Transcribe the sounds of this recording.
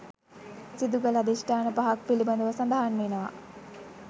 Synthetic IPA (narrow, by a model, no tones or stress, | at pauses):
sid̪uɡəlad̪isʈaːnəpaɦak̚piliband̪əʋəsand̪aɦanmenəʋa̰